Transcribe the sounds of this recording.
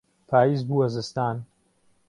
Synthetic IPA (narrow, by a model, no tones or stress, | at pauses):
pʰaːjiːzbuːɐzɨst̪aːn